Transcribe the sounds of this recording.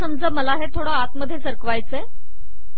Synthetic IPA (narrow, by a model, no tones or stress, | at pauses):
əmd͡zəːməlaɦet̪ʰoɽəat̪məd̪ʱjesəɾkʋajt͡se